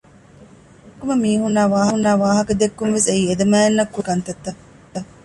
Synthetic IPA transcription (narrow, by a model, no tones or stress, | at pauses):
kːumɐmiːɦunːaːʋaːɦɐnːaːʋaːɦɐkɐd̪ekːunʋeseiːed̪ɐmæːenːɐkːukɐnt̪ɐt̪ːɐ | ɐ